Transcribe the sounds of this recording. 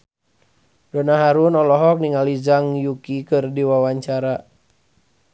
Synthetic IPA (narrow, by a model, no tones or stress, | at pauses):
dɔnaɦaɾunɔlɔɦɔk̚niŋalid͡ʒaŋjukikɨrdiwawaɲt͡ʃaɾa